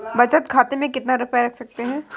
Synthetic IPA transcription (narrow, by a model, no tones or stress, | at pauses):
bɐt͡ʃət̪kʰaːt̪emẽkɪt̪naɾʊpjaɾɐkʰsɐk̚t̪eɦɛ̃ː